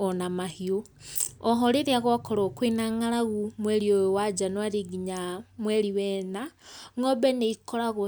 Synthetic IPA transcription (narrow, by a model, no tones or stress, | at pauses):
ɔnamahio | ɔɦɔɾeɾiaɣwakɔɾokwinaŋaɾaɣumweɾiowad͡ʒanwaɾiɡiɲamweɾiwɛnaŋɔbɛneikoɾaɣo